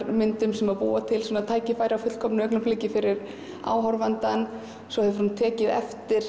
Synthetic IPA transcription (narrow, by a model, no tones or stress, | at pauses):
mɪnt̪ʏmsɛmaɾpṵːat̪ʰɪlsɔːnaðt̪ʰaːjcɪfaːjɾawfʏt̪l̥kʰɔmnʏœknʏmfleːjcɪfɪɾɪɾ | a̰ːwɦɔɾvant̪an | sɔhɛvʏɾhunt̪ʰɛːcɪðɛ̰ft̪ɪɾ̥